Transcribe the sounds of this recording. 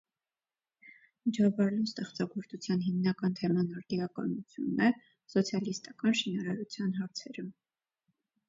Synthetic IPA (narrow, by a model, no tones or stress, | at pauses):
mit͡ʃʰɑvɑɾɛlust̪ɛχt͡sɑɡɔɾt͡s̪ʰut͡sʰjɑnɦimnɑkɑnt̪ʰɛmɑnɑɾt̪iɑkɑ̰nut͡sʰjunːɛ | sɔt͡sʰjɑlist̪ɑkɑnʃinɑɾɑɾut͡sʰjɑnɦɑɾt͡sʰɛɾə